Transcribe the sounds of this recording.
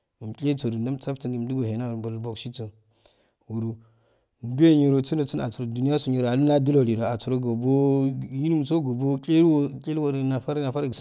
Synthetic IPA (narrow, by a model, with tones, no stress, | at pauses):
m˨kʲʼe˦t͡so˨ɾu˨nda˦mt͡sa˦fti˨nɡi˨m˦du˦ɡo˨he˨na˦˨ba˨lbo˨kʃi˦t͡so˨ | wu˨ɾu˨ | m˨bu˦e˦˨ɲo˨ɾo˨u˦nə˨t͡su˦a̰˨t͡su˨ɾo˨du˨ni˦ja˦su˨ɲo˨ɾo˨a˨lu˦na˦du˦lo˨li˨ɾo˨a˨t͡su˨ɾo˦ɡo˨bo˦ji˦nu˦m˨t͡so˦ɡo˨bo˦kʲʼe˦ɾwo˦kʲʼe˦lwo˨ɾna˨fa˦ɾi˦na˨fa˦ɾɡ